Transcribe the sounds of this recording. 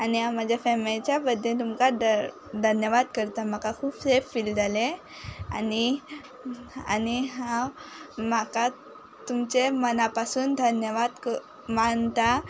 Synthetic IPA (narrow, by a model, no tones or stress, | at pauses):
aniɦãmad͡ʑʱjafemit͡ɕjabəd̪ʱːet̪umkad̪ | d̪ʱənjəʋad̪kəɾt̪am̤akakʰuːbseffild̪ale | a̰ni | a̰niɦãwmaka | t̪umt͡ɕemənapasuːnd̪ʱənjəʋad̪k | mant̪a